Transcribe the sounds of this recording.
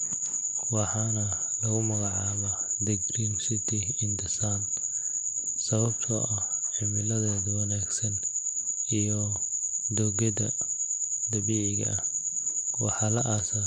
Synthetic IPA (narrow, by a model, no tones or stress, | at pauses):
wɑħɑːnɐ | lɐɣʊmɐɣɑʕɑːβad̪ɐɡriːnsɪt̪ʰɪɪnd̪ɪsaːn | sɐβɐbt̪ʰɔ̰ʔɐhħɪmɪlɐðɛːðɐwɐnaːɡsɐn | ijɔ | d̪ɔɣɛd̪ɐ | d̪ɐβiːʕɪɣɐ̰ɐh | wɑħɑlɐʔasɐ